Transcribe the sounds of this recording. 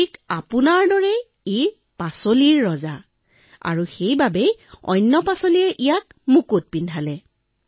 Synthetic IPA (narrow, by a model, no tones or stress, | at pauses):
ikapʊnaɹdɔɹɛ | i | pasoliɹːɔza | a̰ɹuxejbabɛjɔ̰jnːɔpasoliɛʔijakmukut̚pindʱalɛ